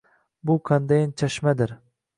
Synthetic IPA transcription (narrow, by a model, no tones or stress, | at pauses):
bʊkʰand̪ajnt͡ʃʰaʃmad̪ɪɾ